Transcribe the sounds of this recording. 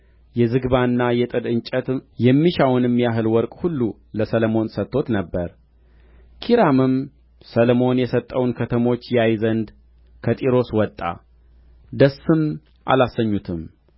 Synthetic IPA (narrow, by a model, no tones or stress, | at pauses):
jɛzɨɡβanːajɛt̪ʼɨd̪ɨɲt͡ʃʼət̪jɛmːiʃawnɨmːijaɦɨlwɔɾkʼhulːu | ləsələmo̞nsət̪ːo̞t̪nəbːəɾ | kʰiɾamɨm | səlmo̞njɛsət̪ʼːəwnkʰət̪ʰəmo̞t͡ʃːjɛajzənd̪ | kʰət̪ʼiɾo̞swɔt̪ʼːa̰ | d̪əsːɨm | ʔa̰lasːəɲːut̪ʰɨm